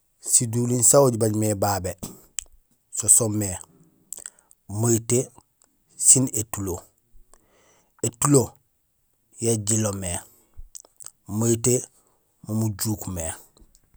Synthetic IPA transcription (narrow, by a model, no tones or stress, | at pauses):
siduːlinsawoɟibaɟmebaːbe | sosomːe | majite | sinetulo | etulo | jeɟilome | maite | mumuɟuːkme